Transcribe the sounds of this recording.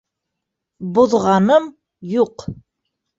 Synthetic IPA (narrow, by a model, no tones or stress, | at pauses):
buðʁɑnɤm | juq